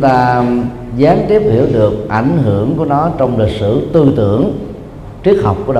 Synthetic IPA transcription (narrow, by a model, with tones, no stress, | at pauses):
ŋ͡mt̪aː˧ | zaː˨˦ŋt̪i˦˥əp̚hi˧˩əwɗɨ˨˩ək̚ʔa˧˩jŋ̟ɦɨ˧˩əŋku˧˩ənɔ˨˦t͡ɕɔ˧wŋ͡mli˨˩k̟̚sɨ̰˧˨t̪ɨ˧t̪ɨ̰˧˨əŋ | t͡ɕi˦˥ək̚ha˨˩wk͡p̚kːu˧˩əɗ